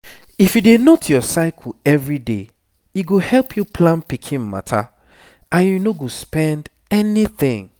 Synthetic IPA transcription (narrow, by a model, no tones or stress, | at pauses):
ifjudenotʰjɔsaɪkʰɛvɹide | iɡohɛlˠpʰjupʰlãnpikʰĩnma̰tʰa̰ | ãnjunoɡospɛ̃nd | ɛniθɪ̰̃ŋ